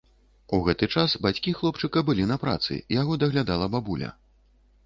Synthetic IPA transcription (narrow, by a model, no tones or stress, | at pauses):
uɣɛt̪ɨt͡ʂasbat͡sʲkʲixlˠɔpt͡ʂɨkɐbɨlʲinɐpɾa̰t̪sɨ̰jaɣɔd̪ɐɣlʲad̪alˠɐbabulʲɐ̰